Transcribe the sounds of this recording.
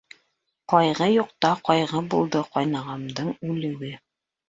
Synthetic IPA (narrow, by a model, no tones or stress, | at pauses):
qɒjʁɤjuqt̪ɑqɒjʁɤbulˠd̪ɤqɑjnɑʁɑmd̪ɤɴʉlɘ̆wɘ